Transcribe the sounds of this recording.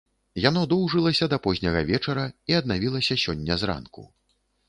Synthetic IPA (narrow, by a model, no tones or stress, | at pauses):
janɔd̪ɔwʐɨlˠɐsʲɐd̪ɐpɔzʲnʲɐɣɐvʲɛt͡ʂɐɾɐiɐd̪̚navʲilˠɐsʲɐsʲɔnʲːɐzra̰nkṵ